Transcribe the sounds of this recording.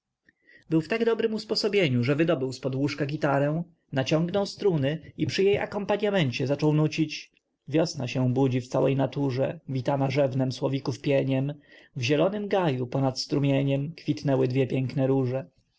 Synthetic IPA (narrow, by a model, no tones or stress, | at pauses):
bɘwft̪aɡd̪ɔbɾɘmuspɔsɔbʲjeɲuʐɛvɘd̪ɔbɘwspɔd̪wuʂkaɡʲit̪aɾɛ̃w̃ | nat͡ɕɔ̃ŋɡnɔwst̪ɾunɘipʂɘjeja̰kɔmpaɲamɛɲt͡ɕɛzat͡ʂɔwnut͡ɕit͡ɕ | vʲjɔsnaɕɛ̃bud͡ʑift̪sawɛjnat̪uʐɛvʲit̪anaʐɛvnɛmswɔvʲikufpʲjɛɲɛm | vʑɛlɔnɘmɡajupɔnat̪st̪ɾumʲjeɲɛmkfʲit̪nɛwɘd̪vʲɛpʲjɛŋknɛɾuʐɛ